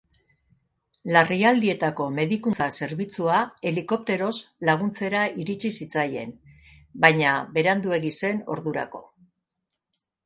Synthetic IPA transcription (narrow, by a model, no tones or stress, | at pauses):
lariald̪ie̞t̪ako̞me̞ðikunt͡sase̞ɾβit͡suae̞liko̞p̚t̪e̞ɾo̞zlaɣ̞unt͡se̞ɾaiɾit͡ʃisit͡saje̞̰n | bajɲabe̞ɾand̪ue̞ɣise̞no̞̰ɾðuɾa̰ko̞